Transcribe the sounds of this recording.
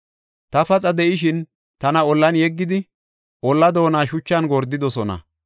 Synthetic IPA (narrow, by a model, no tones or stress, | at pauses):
t̪ɐfɐt͡sʼɐd̪ɛʔɪʃɪn | t̪ɐnɐɔlːɐnjɛɡːɪd̪ɪ | ʔɔlːɐd̪o̞ːnaːʃʊt͡ʃːɐnɡɔɾd̪ːɪd̪ɔsɔnɐ̰